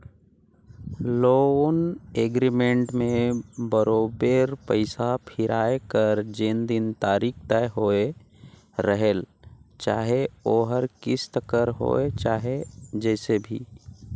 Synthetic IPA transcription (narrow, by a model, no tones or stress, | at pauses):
loːneːɡɾimẽɳʈmẽbəɾoːbeɾpəɪsapʰɪɾʔaːekəɾd͡ʒend̪ɪnt̪aːɾiːk̚ʰt̪ɛɦoːe | ɾəɦelt͡ʃaːɦeoːɦəɾkɪst̪əkəɾɦo̰ːet͡ʃaːɦed͡ʒɛːsebʱḭː